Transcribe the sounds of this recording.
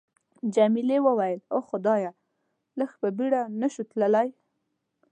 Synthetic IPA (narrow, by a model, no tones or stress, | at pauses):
d͡ʒamilewəwajəloxʊd̪ɑja | ləxpəbiɽanəʃut̪ləlaj